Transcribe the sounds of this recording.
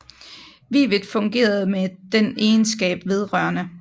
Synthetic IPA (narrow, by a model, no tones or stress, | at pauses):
ʋḭːʋədˠfɔ̽ŋɡ̥e̝̰ːɐð̞̩ˠmed̥ene̝ːnsɡ̥ɛ̰ːb̥ʋe̝ð̞ˠʁɶɐnə